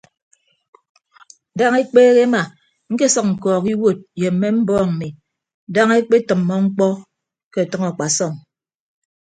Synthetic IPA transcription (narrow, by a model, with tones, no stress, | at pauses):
da˦ŋe˦k͡peː˦ɣe˦ma˨ | ŋ̩˦ke˦sɔ˦k̚ŋ̩˨kɔː˨ki˦wo˦˨t̚je˨m̩ː˦e˦m̩˦bɔː˦ŋ̩˨mi˨ | da˦ŋe˦k͡pe˦tɨ˨mːɔ˦ŋ͡m̩˦k͡pɔ˦ | ke˦˨tɔ˦ŋɔ˨k͡pa˨sɔ˦˨ŋ